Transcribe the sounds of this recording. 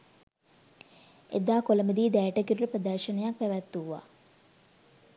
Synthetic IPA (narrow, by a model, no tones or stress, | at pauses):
ḛd̪aːkoləməd̪iːd̪æːʈəkiɾuʈəprəd̪ɐrʃənəjak̚pæʋæt̪ːuʋʋa̰ː